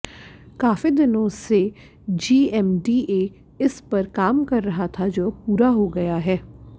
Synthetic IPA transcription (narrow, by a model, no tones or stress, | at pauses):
kaːfid̪ɪnõse | d͡ʒiːɛmɖiːeː | ɪspɐɾkaːmkɐɾːɐɦat̪ʰad͡ʒoːpuːɾaɦoɡɐjaɦɛː